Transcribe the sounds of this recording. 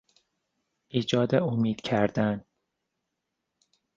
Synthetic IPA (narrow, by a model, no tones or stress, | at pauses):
ʔiːd͡ʒɒːd̪eomiːd̪̥cʰæɾd̪̥æn